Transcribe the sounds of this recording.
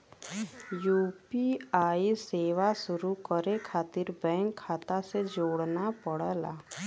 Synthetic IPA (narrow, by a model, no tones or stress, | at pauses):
juːpiaːiseːʋasʊɾukəɾekʰaːt̪ɪɾbɛ̃ːŋkʰːaːt̪ased͡ʒoːɽnapəɽla̰ː